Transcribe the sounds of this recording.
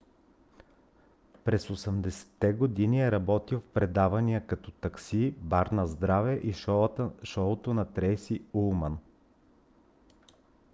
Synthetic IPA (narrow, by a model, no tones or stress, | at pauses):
pɾɛsosɛmd̪ɛsɛ̥t̪ːɛɡod̪iniɛɾɐbɔt̪ilˠfpɾɛd̪avɐnijəkɐt̪ɔt̪ɐksibaɾnɐzd̪ɾavɛʔi | ʃɔlot̪onɐt̪ɾɛjsiulˠmən